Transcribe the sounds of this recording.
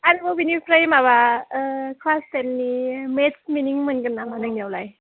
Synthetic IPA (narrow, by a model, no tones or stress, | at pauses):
anɯbɔbinipʰɾejmaβa | kʰlastenːimetsminiŋmɯnɡɯnːamanɯŋnjawlaj